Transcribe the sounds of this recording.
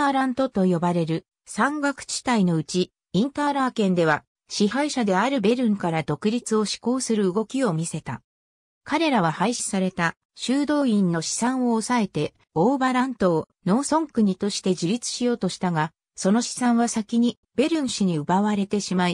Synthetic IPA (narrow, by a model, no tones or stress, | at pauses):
aɾãnt̪o̞t̪o̞jo̞baɾe̞ɾɯ̟ | sãŋɡakɯ̟̥t͡ɕi̥t̪aino̞ɯ̟t͡ɕi | ĩnt̪aːɾaːkẽ̞nd̪e̞βa | ɕiɦaiɕad̪e̞aɾɯ̟be̞ɾɯ̟̃ŋkaɾad̪o̞kɯ̟ɾʲit͡sɨo̞ɕi̥ko̞ːsɨɾɯ̟ːɡo̞kʲio̞mʲise̞t̪a̰ | kaɾe̞ɾaβahaiɕi̥saɾe̞t̪a | ɕɨːd̪o̞ːĩnːo̞ɕi̥sãɰ̃o̞ːsae̞t̪e̞ | oːbaɾãnt̪o̞ː | no̞ːsõ̞ŋkɯ̟ɲ̟it̪o̞ɕi̥t̪e̞d͡ʑiɾʲit͡sɨ̥ɕijo̞ːt̪o̞ɕi̥t̪aɡa | so̞no̞ɕi̥sãɰ̃βasakʲiɲ̟i | b̥e̞ɾɯ̟̃ɰ̃ɕiɲ̟iɯ̟baβaɾe̞t̪e̞ɕimai